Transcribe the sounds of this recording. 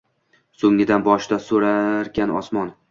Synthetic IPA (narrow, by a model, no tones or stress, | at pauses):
soŋːɪd̪anbɒʃd̪asoɾaɾkʲanɒ̰smɒn